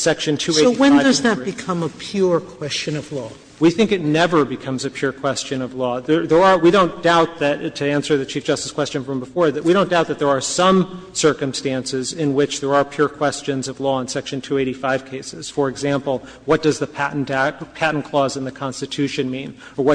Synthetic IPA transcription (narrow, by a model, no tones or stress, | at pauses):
sɛkʃɨ̃ntʰʉeɪiwɨ̃nndʌzðɨtbɨkʰʌ̃məpʰj̥ʊɹkʰw̥ɛst͡ʃɨ̃nʌvlɔ | wiθɪ̃ŋkɨtⁿnɛvə˞bɨkʰʌ̃mzɨpʰj̥ʊɹkʰw̥ɛst͡ʃɨ̃nʌvlɔðə˞ðə˞əwiɾõʊ̃nd̥aʊt̪̚ðɨttʰɨæ̃nsə˞ðɨt͡ʃʰifd̥ʒ̥ʌstɨ̥skʰw̥ɛst͡ʃɨ̃nfɹʌ̃mbəfɔɹðt̚wiɾõʊ̃nd̥aʊt̪̚ðɨt̪̚ðə˞ːsʌ̃msɜ˞kɨ̃mstæ̃nsɪzɪ̃nwɪt͡ʃðə˞ə˞pʰj̥ʊɹkʰw̥ɛst͡ʃɨ̃nzʌvlɔə̃nsɛkʃɨ̃ntʰʉeɪɾifaɪv̥kʰeɪsɨz̥fə˞ɨɡzæ̃mpl̩ˠ | wʌt̚d̥ʌzðɨpʰæʔn̩dpʰæʔn̩kʰl̥ɔzɨ̃nðɨkʰɑ̃nstɨtʰʉʃɨ̃nmĩnə˞wʌ